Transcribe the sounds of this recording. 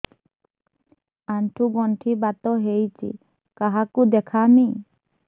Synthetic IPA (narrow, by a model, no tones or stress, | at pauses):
anʈʰuɡɔɳʈʰibat̪ɔɦejt͡ʃʰḭ | kaɦakud̪ɛkʰami